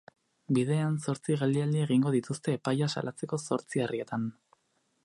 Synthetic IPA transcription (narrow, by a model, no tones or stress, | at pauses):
bið̞e̞anso̞ɾt͡siɣeld̪iald̪ieɣ̞iŋɡo̞ðit̪ust̪e̞ːpajasa̰lʔat͡se̞ko̞so̞ɾt͡siarie̞t̪an